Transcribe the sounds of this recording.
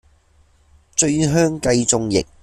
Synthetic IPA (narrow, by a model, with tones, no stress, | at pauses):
t͡ʃɵ˧ɥɦœː˥ŋkɐ˧jt͡sʊ˧ŋjɪ̰˨k̚